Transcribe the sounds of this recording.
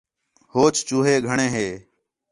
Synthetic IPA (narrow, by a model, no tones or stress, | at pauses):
hoːt͡ʃt͡ʃuːɦeːɡʱəɳẽːɦeː